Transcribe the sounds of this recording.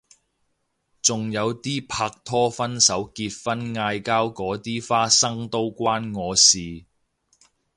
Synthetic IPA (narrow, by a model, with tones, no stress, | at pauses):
t͡sʊ˨ŋjɐ˨˧wt̪iː˥pʰaː˧k̚t̪ʰɔː˥fɐ˥nsɐ˨˥wkiː˧t̚fɐ˥nŋaː˧jkaː˥wkɔː˨˥t̪iː˥faː˥sɐ˥ŋt̪o˥wkʷwaː˥nŋɔː˨˧siː˨˩